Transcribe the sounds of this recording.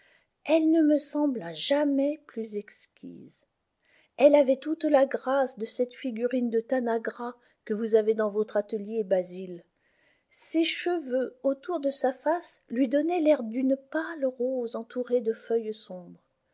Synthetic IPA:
ɛlnəməsɑ̃blaʒamɛplyzɛkskʲḭz | ɛlavɛt̪ut̪laɡʁasd̪əsɛt̪fiɡʲyʁind̪ət̪anaɡʁa | kəvuzaved̪ɑ̃vɔt̪χat̪əljebazil | seʃəvøot̪uʁd̪əsafaslɥid̪ɔnɛlɛʁd̪ynpalʁozɑ̃t̪uʁed̪əfœjsɔ̃bʁ

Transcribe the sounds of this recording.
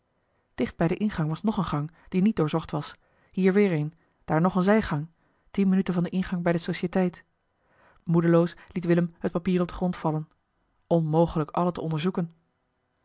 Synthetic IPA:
d̥ɪχd̚bɛjdəʔɪnχɑŋʋɑsnɔχənχɑŋd̥init̚doːɹzɔχtʋɑs | hiːɹʋɪːɹen | d̥aːɹnɔχənzɛjχɑŋ | tinmənytəvɑndəʔɪnχɑŋbɛjdəsowʃətɛjt | mudəlowslitʋɪləmɦət̚papiːrɔb̚dəχrɔntfɑlən | ʔɔnmowχələkɑlətəɔndəɹzukən

